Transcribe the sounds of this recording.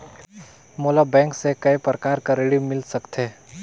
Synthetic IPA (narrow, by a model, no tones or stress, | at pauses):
moːlabɛ̃ːŋksekɐjpɾəkaːɾkaɾeːɽimɪlsɐkt̪ʰe